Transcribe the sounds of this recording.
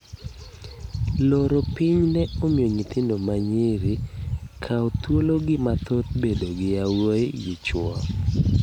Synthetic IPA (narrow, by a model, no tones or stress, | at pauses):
loɾopiɲnɛomioɲit̪ʰɪndomaɲɪɾikʰaot̪woloɡɪmat̪ot̪̚bedoɡɪawoejit͡ʃwɔ